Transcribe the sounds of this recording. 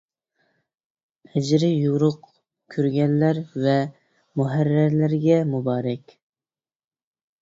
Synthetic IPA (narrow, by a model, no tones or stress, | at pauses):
pʰɛd͡ʒɾɪjuɾʊq | kʲʰøɾɡʲɛnlæɾvɛ | muɦæɾːæɾlɪɾɡʲɛmubɑːɾɛkʲ